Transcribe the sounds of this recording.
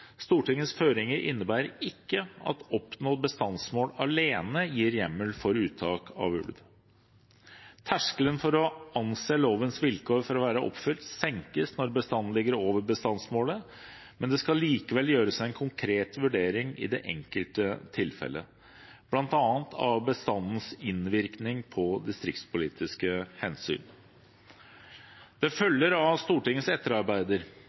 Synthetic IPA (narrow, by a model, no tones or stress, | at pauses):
st̪uːʈɪŋːəsføːɾɪŋəɾʔɪ̰nːəbæːɾəɾɪkːəɑ̰t̪ɔpnoːbəst̪ɑnsmoːlɑleːnəjiːɾjɛmːəlfɔɾʉːt̪ʰːɑːkɑ̰ʋʉ̰lʋ | t̪ʰæʂkələnfɔɾɔɑnseːloːʋənsʋɪlkʰoːɾfɔɾɔʋæːɾəʔɔ̰pfʏlt̪sɛŋkəsnɔɾbəst̪ɑnːnlɪɡːəɾoːʋəɾbəst̪ɑnsmoːlə | mɛnd̪ɛskɑliːkəʋɛljøːɾəsæɪɛnkʰʊŋkʰɾeːt̪ʋʉɖeːɾɪŋɪ̰d̪ɛ̰ʔɛ̰ŋkəlt̪ət̪ʰɪlfɛ̰lːə̰ | b̥lɑnt̪ɑːnt̪ʰɑ̰ʋbəst̪ɑnn̩sɪnʋɪɾknɪŋpʰɔd̪ɪst̪ɾɪkt̪spʊliːt̪ʰɪskəhɛnsy̰ːn | d̪̥ɛfœljəɾɑst̪uːʈɪŋːəsɛt̪ːəɾɑɾbæɪd̪əɾ